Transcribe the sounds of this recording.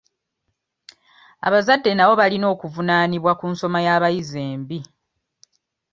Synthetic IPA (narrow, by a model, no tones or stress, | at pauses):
a̰βazadːe̞naβo̞βalino̞ːkuvunaːniβwakunso̞majaːβajizeːmbi